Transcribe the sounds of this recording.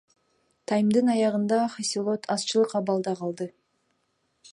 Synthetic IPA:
t̪ʰɑjmd̪ɯnɑjɑʁɯnd̪ɑχasʲilˠot̪ʰɑst͡ʃɯlˠɯqɑβɑlˠd̪ɑqɑlˠd̪ɯ

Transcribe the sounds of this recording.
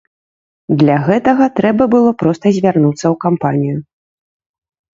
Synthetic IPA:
d̪lʲaɣɛt̪ɐɣɐt̪ɾɛbɐbɨlˠɔpɾɔst̪ɐzʲvʲarnut̪sːɐwkampanʲiju

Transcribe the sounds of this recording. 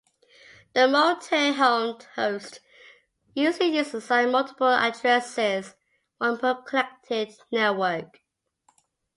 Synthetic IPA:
ðəmɔltʰeɦaʊnhoʊst | jʉːʒlijʉztəsãɪ̃nmʌlˠtʰɪ̥pəla̰dɹɛsɪz | ə̃npʰəb̚kʰəlɛk̚tʰɪdnɛwɜˑk

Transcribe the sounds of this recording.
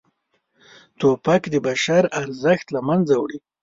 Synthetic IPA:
t̪opakd̪əbaʃaɾaɾzəxt̪lamanzawɽi

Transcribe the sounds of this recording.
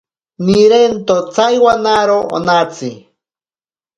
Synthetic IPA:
niɾent̪ot͡sajwanaɾoo̰nat͡si

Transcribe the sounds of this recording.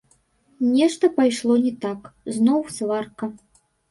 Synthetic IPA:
nʲɛʂt̪ɐpajʂlˠɔnʲɛt̪akznɔwsvarkɐ

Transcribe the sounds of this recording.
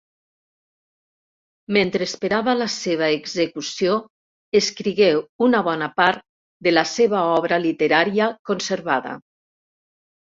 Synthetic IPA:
ment̪ɾeespeɾaβəlaseβ̞aeɡzekusio | eskɾiɣewunaβɔnapaɾt̪̚ | d̪elaseβaɔβɾalit̪eɾaɾiəkonseɾβaðɐ̰

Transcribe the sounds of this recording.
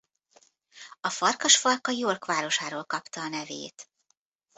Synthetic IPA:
ɒfɒrkɒʃfɒrkɒjoːrkʋaːɾo̞ʃaːɾoːlkɒpt̪ɒːnɛvḛːt̪

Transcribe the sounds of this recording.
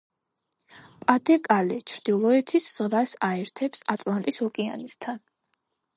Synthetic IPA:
pʼad̪ɛkʼalɛt͡ʃʰɾd̪̥ilˠɔɛt̪ʰisz̥ʁvasaɛɾt̪ʰɛpsat̪ʼlˠant̪ʼisɔkʼɛa̰nist̪ʰan

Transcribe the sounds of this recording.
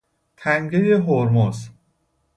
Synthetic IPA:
t̪ʰæŋɡejeɦoɾmoz

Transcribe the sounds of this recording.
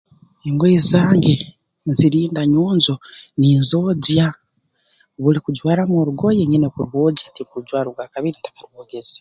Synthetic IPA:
eŋɡoizaːŋɡe | ziɾiːndaɲuːnzoniːnzo̞ɟa | βulikuɟwaːɾamoɾuɡo̞jeɲinekuɾwoɟatikuuɟwaːɾuβwaːkaβiɾitḁkaɾwoːɡezi̥

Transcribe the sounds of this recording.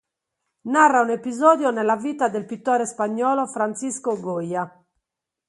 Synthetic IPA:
narːaunepizɔːd̪jɔnɛlːaviːt̪ad̪elpit̪ːɔːɾɛspaɲːɔːlɔfɾant̪siskoɡojːa

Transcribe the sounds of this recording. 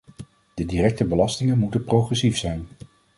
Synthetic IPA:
d̥ədiːrɛk̚təbəlɑstɪŋənmutənprowχrɛsifsɛjn

